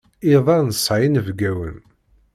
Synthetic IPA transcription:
iðˤɑɾˤnəsˤʕjənəvɡæwə̰n

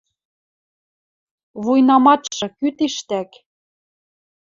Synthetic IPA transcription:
βujnɑmɑt̪ʃɤ̆kyt̪eʃt̪æk

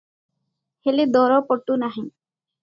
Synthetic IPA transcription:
heled̪ɔɾɔpɔʈːunaɦĩ

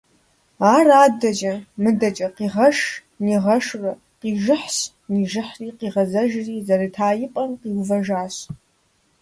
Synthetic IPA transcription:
aːraːdɐd͡ʒʼɐmɨdɐd͡ʒʼɐqiʁɐʂ | niʁɐʂrɨ | qiʒɨħs | niʒɨħriːqiʁɐzɐʒriːzɐriːtʰaːjɪpʼɐnqiwvɐʒaːɕ

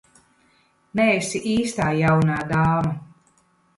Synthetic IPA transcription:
nɛesiʔiːst̪aːjawnaːɡ̪aːmɐ

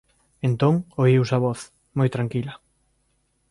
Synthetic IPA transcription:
ent̪oŋoiwsɐβɔθ | mojt̪ɾaŋkilɐ

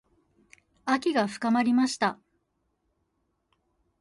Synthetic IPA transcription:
akʲiɡaɸɯ̟̥kamaɾʲimaɕi̥t̪a

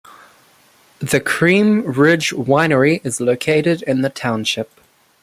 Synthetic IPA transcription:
ðɨkʰɹ̥ĩmɹɪd͡ʒwãɪ̃nə˞iʔɨzloʊkʰeɪɾɨɾɪ̃nðɨtʰãʊ̃nʃɪp̚

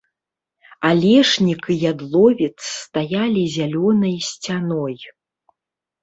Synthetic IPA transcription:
alʲɛʂnʲikɨjad̪lˠɔvʲɛt̪sːt̪ajalʲizʲalʲɔnɐjsʲt͡sʲanɔj

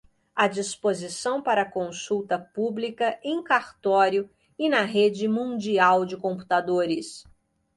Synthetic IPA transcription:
ɐd͡ʒispozisɐ̃w̃paɾɐkõsuwt̪ɐpublikɐʔẽj̃kaɾt̪ɔɾjʊ | ɪnɐɦed͡ʒɪmũd͡ʒiawd͡ʒɪkõpu̥t̪ad̪oɾɪs

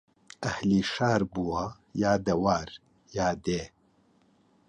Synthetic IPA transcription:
ɐhliːʃaːɾbuwa | jaːd̪ɐwaːɾ | jaːd̪eː

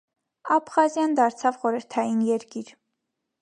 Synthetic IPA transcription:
ɑpχɑzjɑnd̪ɑɾt͡sʰɑvχɔɾəɾt̪ʰɑjinjɛɾkiɾ

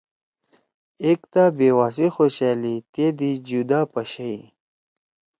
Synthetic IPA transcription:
ekt̪abeːwaːs̬ixoɕalit̪ed̪id͡ʑud̪aːpɐɕaji

